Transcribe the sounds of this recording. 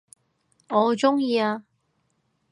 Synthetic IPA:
ŋɔː˨˧t͡sʊ˥ŋjiː˧aː˧

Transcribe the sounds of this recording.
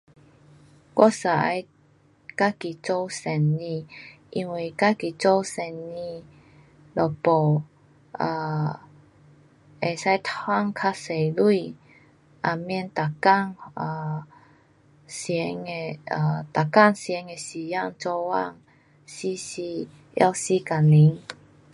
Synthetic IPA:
kɔ˧˥sa˨˩˦j | ka˦ki˨˩t͡so˧˥wsɛ˨˩nːĩ˧ʔi˧ŋwi˧˩ka˦˥ki˨t͡so˦wsɛ˨˩nːĩ˧ | lɔ˨˩pɔ˨˩ | a˨˩ | ʔe˨˩sa˦jt̪ʰwa˥ŋkʰa˧se˨˩lu˥˧ | ʔa˨˩mji˧˨nt̪a˨˩ka˥˨ŋa˨˧ | sɛ˧˦ŋe˧a˧˩t̪a˨˩ka˥˧˨ŋsjɛ˨˧˦ŋe˨si˨˩ja˥˧˨ŋt͡sɔ˧wa̰˥˧˨ŋ | si˦si˧ | ja̰˧wsi˦ka˨˩li˨˦ŋ

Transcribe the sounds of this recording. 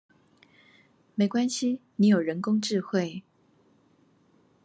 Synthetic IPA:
me˧˥ɪkwa˥nɕi˨ni˧˥jo˨˩ɻə˧˥nkʊ˥ŋʈ͡ʂɻ̩˥˧xwe˥˩ɪ

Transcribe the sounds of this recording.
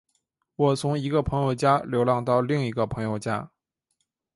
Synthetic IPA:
wɔ˨˩t͡sʰʊ˧˥ŋi˧˥ɡə˧pʰɤ˧˥ŋjo˥˩ʊt͡ɕja˥ljo˧˥ʊlɑ˥˧ŋt̪ɑ˥˧ʊli˥˩ŋi˧˥ɡə˧pʰɤ˧˥ŋjo˥˧ʊt͡ɕja̰˥

